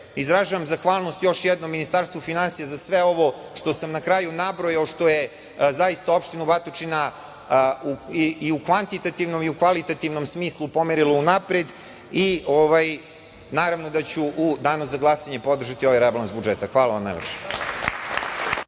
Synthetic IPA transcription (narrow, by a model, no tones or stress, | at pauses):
izɾaʒaʋamzaxʋaːlˠno̞st̪jo̞ʃjɛd̪nomːinist̪aːɾst̪vʋofinansijazasʋeo̞ʋo̞ | ʃt̪o̞samnakɾajunabɾojaoʃt̪o̞je | zaist̪ao̞pʃt̪inubat̪ot͡ʂina | uiukʋant̪it̪at̪ivnomiukʋalit̪at̪ivno̞msmiːslˠupomeɾilˠounapɾed̪ | ioʋaj | naːɾavnod̪at͡ɕuʔud̪aːnuzaɡlˠasaɲepo̞d̪r̩ʒat̪io̞ʋajɾeblˠanzbud͡ʒet̪axʋaːlaʋamna̰jlˠḛpʃe̥